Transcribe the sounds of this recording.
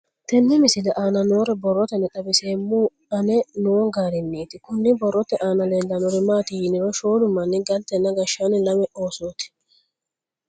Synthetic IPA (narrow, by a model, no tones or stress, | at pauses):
t̪ɛnːɛmɪsɪlɛʔaːnɐnoːɾɪbɔrːɔt̪ɛnɛt̪ɐbɪseːmu | ɐnɛnoːŋɡaːɾɪnːiːt̪ɪkʊnːɪbɔrːɔt̪ɛʔaːnɐleːlːɐnɔɾɪmaːt̪ɪjɪnɪɾɔʃoːd̪ʊmːɐnːɪɡɐlt̪ːɛnːɐɡɐʃːanɪlɐmɛʔoːsoːt̪ɪ̥